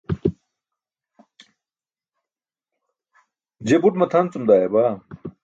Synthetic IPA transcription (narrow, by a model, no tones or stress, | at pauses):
d͡ʑebuʈmɐt̪ʰant͡sumd̪aːjeba